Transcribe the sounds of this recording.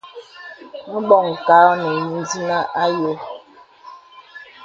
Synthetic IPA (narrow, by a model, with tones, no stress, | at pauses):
n̩˦ɡ͡bɔ˦˨ŋ̩˨ka˦ɔ˦ne˨ɲi˦n̩˦di˦na˦ʔa˦jo˦